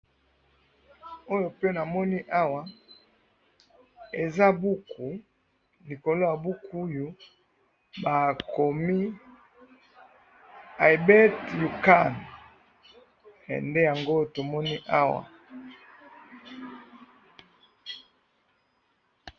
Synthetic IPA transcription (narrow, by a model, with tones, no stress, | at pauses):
o˦jo˨pe˦na˨mɔ˦ni˦ʔa˦wa˨ | e˨za˦bu˦ku˨ | li˨ko˨lo˦ja˨bu˦ku˦jo˨ | ba˨kʰo˨mi˦ | a˨i˨bɛ˦tju˨ka˦˨n | ɛ̰˨nde˦ja˨ŋɡo˦˨to˨mɔ˦ni˦ʔa˦wa̰˨